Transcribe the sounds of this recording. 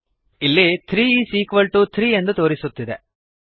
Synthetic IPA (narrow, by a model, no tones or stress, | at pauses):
ilːit̪ʰɾiːisiːkʋɐlʈut̪ʰɾiːend̪ɐt̪o̞ːɾisut̪ːid̪e